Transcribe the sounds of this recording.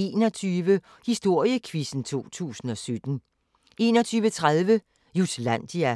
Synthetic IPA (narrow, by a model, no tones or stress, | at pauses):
e̝ːnɒt͡sʰyːʋə | hisd̥o̝ɐ̰jəkʰʋisn̩t͡sʰo̝̰ːt͡sʰṵːsn̩ɒ̽sød̥n̩ | e̝ːnɒ̽t͡sʰyːʋət͡sʰʁaðˠʋə | juslæn̰d̥iæ